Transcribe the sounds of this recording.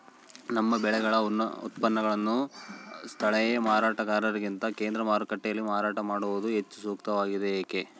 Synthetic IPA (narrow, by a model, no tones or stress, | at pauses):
nɐmːɐbɛɭɛɡɐɭɐunːɐ̰ṵt̪pɐnːɐɡɐɭɐnːu | st̪ʰɐɭɛjɐmaːɾaːʈɐkaːɾɐɾɐɡint̪ɐkeːnd̪ɾɐmaːɾukɐʈːɛjɐlːimaːɾaːʈɐmaːɽuʋud̪uɦet͡ʃːu̥suːkt̪ɐʋaːɡid̪eeːke